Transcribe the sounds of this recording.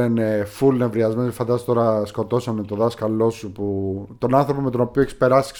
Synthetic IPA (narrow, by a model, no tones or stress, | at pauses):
enefulnevɾiɐzmenoefɐnd̪ɐst̪o̞ɾɐsko̞t̪o̞sonet̪oðɐskɐlo̞suput̪o̞nɐnθɾo̞po̞me̞t̪ono̞pioeçispe̞ɾɐsi̥